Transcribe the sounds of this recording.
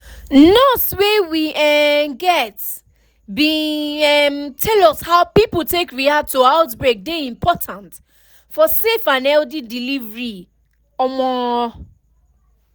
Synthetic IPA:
nɔswewiɛɡɛt | bi | mtʰɛlɔshaʊpipl̩tekɹiatʰoaʊtbɹek̚deĩmpʰɔtʰãnt | fɔsefãnɛldidilivɹi | ɔmɔ

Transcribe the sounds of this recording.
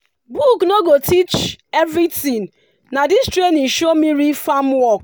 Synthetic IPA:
buknoɡotit͡ʃevɾitĩŋ | nadistɾeniʃomiɾifamwɔk

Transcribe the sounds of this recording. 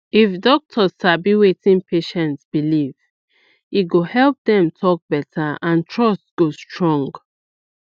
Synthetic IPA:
ifdɔk̚tʰɔzabiwetĩnpʰeʃɛ̃ntsb̥iliv | iɡohɛlp̚dɛ̃mtʰɔk̚bɛtʰaãntʰɹɔstɡ̥ostɹɔ̃ŋɡ

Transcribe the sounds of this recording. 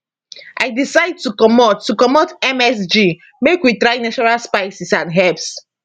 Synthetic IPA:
ʔa̰ɪdisaɪd̚tukɔmɔtːukɔmɔtɛmɛs̬d͡ʒi | mekwitɹaɪnat͡ʃɔɹalspaɪsisãnɦɛps

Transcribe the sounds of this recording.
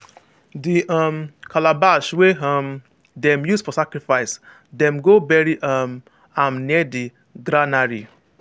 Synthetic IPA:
diʔʌ̃mkʰalabaʃweɦãm | dɛ̃mjusfɔsakɾifaɪs | dɛ̃mɡobɛɹiʔam | amnɛdi | ɡɾanaɾḭ

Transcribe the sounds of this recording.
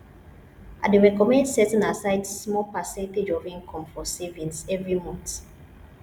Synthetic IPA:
ʔa̰deɹɛkɔmɛ̃ndsɛzɔ̃nasaɪdsmɔpasɛ̃nted͡ʒɔvĩŋkʰɔ̃mfɔsɛvĩnsɛvɹimɔ̃nt

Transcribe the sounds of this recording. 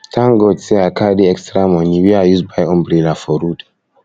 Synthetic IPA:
tʰãŋɡɔdsɛakadiɛkstɾamɔniwiajuzbajɔ̃mbɾilafɔɾud

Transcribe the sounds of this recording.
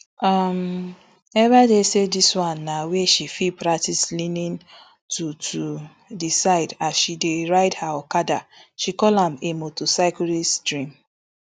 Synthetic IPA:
am | ɛvadesediswãnːaweʃifipɹaktislinĩn | tʰutʰu | disaɪdasʃideɹaɪdhaɔkadaʃikɔlhãmemotosaɪkuɾistɹĩm

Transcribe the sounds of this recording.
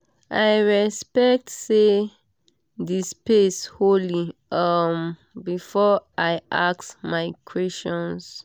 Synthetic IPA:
ʔajɹɛspɛk̚tse | dispesholiʌm | bifɔʔaɪʔaksmaɪkʰɹɛst͡ʃɔ̃ns

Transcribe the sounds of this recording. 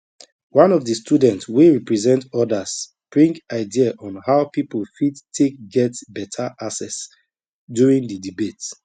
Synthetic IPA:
wãnɔvdəstʰudɛ̃ntsweɹipɹɛzɛ̃ntɔdas | b̥ɹĩŋkaɪdiaʔɔ̃nhaʊpiplfitʰːek̚ɡɛtbɛtʰaʔasɛs | djuɹĩŋdədibet

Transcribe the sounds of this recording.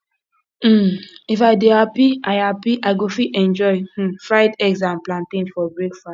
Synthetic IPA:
m̩ifaɪdehapiʔaɪhapiʔaɪɡofiɛ̃nd͡ʒɔɪ̃fɹaɪdɛɡs̬ãnplãntĩnfɔbɹekfɹa

